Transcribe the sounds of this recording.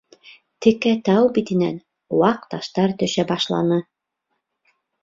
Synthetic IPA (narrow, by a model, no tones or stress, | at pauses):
t̪ɘ̆kæt̪ɑwbit̪ɘ̆næ̰n | wɑq̚t̪ɑʃt̪ɑɾt̪ɵ̆ʃæbɑʃlˠɑ̰nɤ